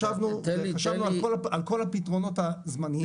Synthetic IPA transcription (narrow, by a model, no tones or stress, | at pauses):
avnuaʃavnuakolaalko̞lapitʁo̞no̞tazmani